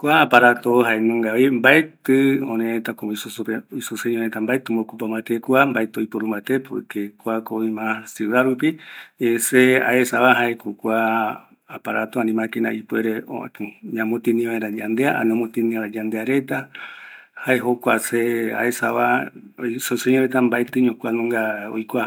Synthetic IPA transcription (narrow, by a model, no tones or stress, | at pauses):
kʷaːpaɾat̪oɦaenũŋɡaʋimbaet̪ɨõneet̪akomisusoisuseɲõɾet̪ambaet̪ɨmbokupamãt̪ekuambaet̪ɨojpoɾumbat̪epokekʷakoimãsɨɾaɾupiesea̰esaβaɦaekukʷa | apaɾat̪oãnĩmãkenã̰ʔipweɾeo̰ɲãmot̪inĩβaeɾad͡ʒand̪eaʔa̰nõmõt̪ĩnĩaɾad͡ʒand̪eaɾe̞t̪a | haeɦokʷasea̰esaʋaisoseɲõɾet̪ambaet̪ɨɲõkʷanõŋɡao̰jkʷa